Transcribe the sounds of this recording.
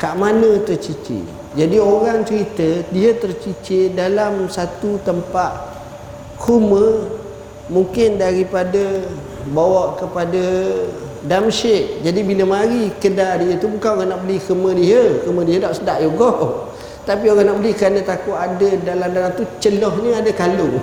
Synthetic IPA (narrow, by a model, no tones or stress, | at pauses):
kaʔmanə̃t̪ərt͡ʃit͡ʃɪ̰ʔ | d͡ʒadioɾaŋt͡ʃəɾit̪ədiət̪ərt͡ʃit͡ʃɪʔdalamsat̪ut̪əmpaʔ | kʰumə | muŋkɪndaɾipadə | bawaʔkəpada | damʃɪʔd͡ʒadibiləmaɾikədadiət̪ubukanoɣaŋnaʔbəlikəmə̃diɦəkəmə̃diɦədaʔsədaʔjoɡɔʔ | t̪apioɣaŋnaʔbəlɪhkəɾanət̪akʊʔadədalamdanat̪ut͡ʃəlɔhɲəadəkalʊ